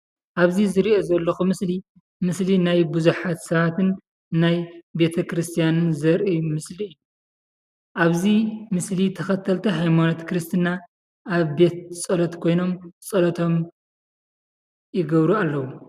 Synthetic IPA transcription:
ʔaβzizɨɾiʔo̞zɐlːɐxumɨsli | mɨslinajbuzuħat̪sɐβat̪ʰɨnː | ajbe̞t̪ʰɐkɾɨst̪ʰijanɨnzɐɾʔijmɨsliɨju | ʔaβzimɨslit̪ʰɐxɐt̪ʰːɐlt̪ʰɐɦajmanot̪kʰɾɨst̪ʰɨna | ʔaβbe̞t̪̚t͡sʼɐlɐt̪kʰo̞jno̞mt͡sʼɐlɐt̪ʰo̞m | jɪɡɐβɾualːɐwu

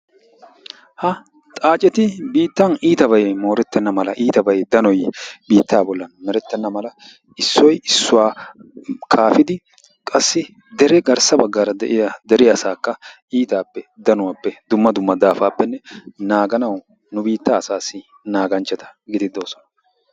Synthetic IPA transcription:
hɐ | t̪ʼaːt͡ʃʼɛt̪ɪbiːt̪ːɐniːt̪ɐβɐjmo̞ːɾɛt̪ːɛnːɐmɐlɐʔiːt̪ɐbɐjɛd̪ɐnɔjbiːt̪ːaːbɔlːɐnmɛɾɛt̪ːɛnːɐmɐlɐ | ɪsːɔjɪsːʊwaː | kʰaːfɪd̪ɪ | kʼɐsːɪ | d̪ɛɾɛɡɐɾsɐbɐɡːaɾɐd̪ɛ̰ʔɪjɐd̪ɛɾɪɐsaːkːɐʔiːt̪aːpːɛd̪ɐnʊwaːpːɛd̪ʊmːɐd̪ʊmːɐd̪aːfaːpːɛnːɛnaːɡɐnɐw | nʊbiːt̪ːaːsaːsːɪ | naːɡɐnt͡ʃːɛt̪ɐ̥ɡɪd̪ɪd̪oːsɔ̥nɐ̥

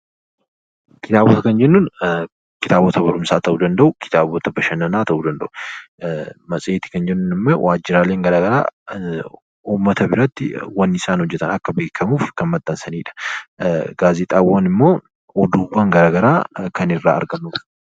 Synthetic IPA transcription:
kɪt̪aːbɔt̪ɐkɐnd͡ʒɛnːʊn | kɪt̪aːbɔt̪ɐbɐɾʊmsaːt̪ɐʔuːd̪ɐnd̪ɐʔʊkɪ̥t̪aːbɔt̪ɐbɐʃɐnɐnaːt̪ɐʔuːd̪ɐnd̪ɐ̰ʔʊ | mɐsʼeːt̪ɪ̥kɐnd͡ʒɛnːʊnɪmːoːwʔaːd͡ʒːɪɾaːle̞ːŋɡɐɾaːɡɐɾa̰ː | uːmːɐt̪ɐbɪɾɐt̪ːɪwɐnːɪsaːnhɔd͡ʒːɛt̪ɐnɐkːɐbeːkʰːɐmuːfkɐnmɐt̪ːɐnsɐniːᶑɐ̥ | ɡaːzɪt̪ʼaːwanɪmːo̞ː | ɔd̪uːbːɐŋɡɐɾaːɡɐɾaːkɐnɪrːa̰ːɐ̰ɾɡɐnːuːf

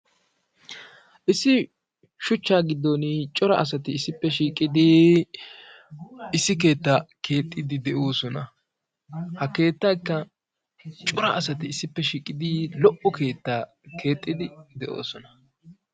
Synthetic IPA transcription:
ʔɪsːɪ | ʃʊt͡ʃːaːɡɪd̪ːonɪt͡ʃʼɔɾɐ̰ʔɐs̬ɐt̪ɪːsːɪpːɛʃiːkʼɪd̪i | ɪsːɪke̞ːt̪ːakʰe̞ːt̪ʼːɪd̪ɪd̪ɛʔoːsɔnɐ | hɐke̞ːt̪ːɐjkːɐ | t͡ʃʼɔɾɐ̰ɐsɐt̪ɪːsːɪpːɛʃiːkʼɪd̪ilɔʔɔke̞ːt̪ːaː | kʰe̞ːt̪ʼːɪd̪ɪd̪ɛʔo̰ːsɔnɐ

